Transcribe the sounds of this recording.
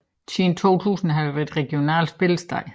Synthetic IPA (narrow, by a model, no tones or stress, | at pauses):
siːn̩t͡sʰo̝̰ːt͡sʰṵːsn̩ɦæʋæɐd̥ʁɛɡ̥jo̝nɛ̰ːlsb̥e̝ləsd̥ɑɪ̰